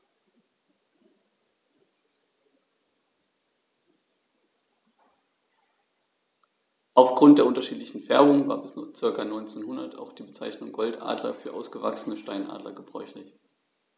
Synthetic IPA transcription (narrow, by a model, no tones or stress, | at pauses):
ʔaʊfɡ̥ʁʊnt̚d̥eːɐʊntɐʃiːtlɪçn̩fɛɐbʊŋəvaːɐbɪst͡sɪɐkanɔʏnt͡seːnhʊndɐtʰa̰ʊxd̥iːbət͡saɪçnʊŋɡɔltʔa̰ːdlɐ̰fyːɐʔaʊsɡ̥əva̰ksn̩əʃtaɪnʔa̰ːdlɐ̰ɡəbʁɔ̰ʏçlɪç